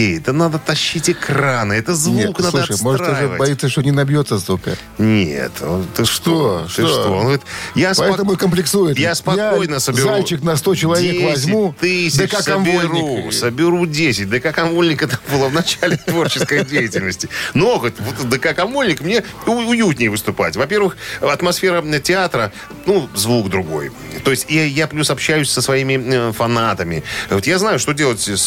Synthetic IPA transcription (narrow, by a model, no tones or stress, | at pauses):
ejɛt̪ənad̪ət̪ɐɕːitʲɪkranɨɛt̪əzvuuknaluʂəjmo̞ʐt̪uʐɨvbɐjit̪sːəʂt̪onʲɪnɐbʲjo̞t̪sːəzvuka̰ | nʲḛt̪onɛt̪əʂt̪oʂʂonvot̪jaspɐɛt̪əmʊkəmplʲɪksujɪt̪jaspɐjaojnəsəzbɪɾalʲt͡ɕɪknɐst̪o̞t͡ɕɪlˠɐvʲekvɐzʲmmut̪ɨsʲd̪əkakɐnvolʲɾʲɪusəbʲɪɾudʲesʲɪt̚ʲd̪əkakɐmulʲnʲɪkət̪ambɨlˠəvnɐt͡ɕalʲɪt̪vo̞rt͡ɕɪskəjdʲejɪtʲɪlʲnəsʲtʲɪnoxət̪vot̪d̪əkakɐmulʲnʲɪkmnʲeʊjut̪ʲnʲɪjvɨst̪ʊpa̰tʲvɐpʲe̞rvɨxɐt̪mɐsfʲe̞ɾətʲɪat̪ɾə | nuzvukd̪ɾʊɡo̞̰j | t̪o̞jɪsʲtʲijaplʲusɐpɕːæjʉsʲsəsvɐimʲɪfɐnat̪əmʲɪ̰vot̪jaznajʊʂt̪o̞dʲelˠətʲs